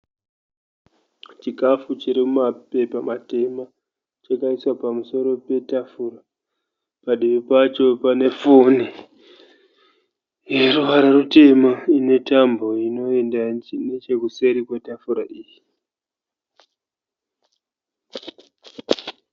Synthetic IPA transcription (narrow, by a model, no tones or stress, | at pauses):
t͡ʃikafut͡ʃiɾimumape̞pamate̞ma | t͡ʃakaiswapamuso̞ɾo̞pe̞tafuːɾa | paɗiʋipat͡ʃo̞pane̞fo̞ni | je̞ruʋaɾarute̞maine̞tambo̞ino̞e̞ndainet͡ʃe̞kuse̞ɾikwe̞tafuɾaʔiːji